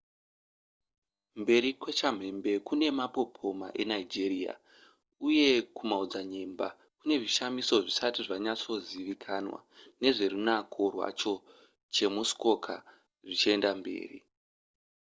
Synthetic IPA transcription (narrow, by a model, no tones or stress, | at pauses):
mbe̞ɾikwet͡ʃam̤e̞mbe̞kune̞mapo̞pʰo̞ma̰ʔe̞naid͡ʒeria̰ | uje̞kumaud͡zaɲe̞mba̰ | kune̞ʐiʃamiso̞ʐisatiʐaɲat͡so̞ziʋikʰanwa̰ne̞ʐe̞runakʰo̞rwa̰t͡ʃo̞ | t͡ʃe̞musko̞kʰa̰ | ʐit͡ʃie̞ndambe̞̰ːrḭ